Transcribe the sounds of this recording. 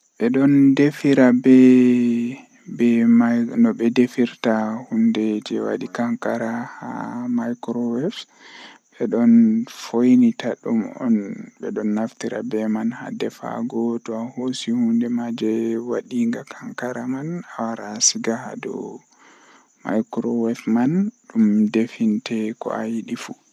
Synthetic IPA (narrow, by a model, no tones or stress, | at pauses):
ɓɛɗɔndefiɾabɛ | bɛmanɔbɛdefiɾtahundɛd͡ʒɛwa̰ɗikaŋkaɾaha̰majkɾɔwɛft | bɛɗɔnfojnitaɗumɔ̰nbɛɗɔnːaftiɾa̰bɛmanha̰dɛfa̰ɡɔtɔahosihundɛmad͡ʒɛwaɗiŋɡakʰaŋkaɾamanawaɾasiɡaha̰dɔ̰ | majkɾɔwɛfmanɗumdefintɛkɔ̰ajiɗifu